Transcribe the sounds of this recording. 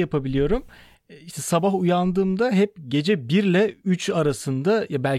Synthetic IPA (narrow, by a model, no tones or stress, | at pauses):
japʰabilʲijo̞ɾum | iʃt̪ʰɛsabaɦujand̪ɯːmd̪aɦɛp̚ɟe̞d͡ʒɛbiɾlʲɛyt͡ʃaɾasɯnd̪ajabælʲ